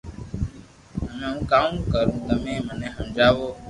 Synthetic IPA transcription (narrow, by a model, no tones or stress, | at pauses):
əmẽːũːkaːũkəɾũːt̪əmẽːmənẽːɦəmd͡ʒaːʋoː